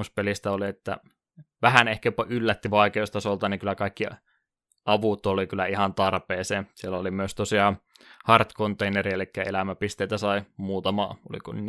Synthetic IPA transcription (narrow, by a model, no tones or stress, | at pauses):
uspelist̪æoliet̪ːæ̰ | ʋæhænehkæjopːɑʔylːæt̪ːiʋɑikeost̪ɑsolt̪ɑniŋkylˑːækɑikːi | ʔɑʋut̪ːˑoolikylːˑæihɑnt̪ɑrpeːseːsielːæolimyøst̪osiɑːˑhɑrt̪kont̪einerielikːæḛlæmæpist̪eit̪æsɑimuːt̪ɑmɑ̰ːo̰lḭkonn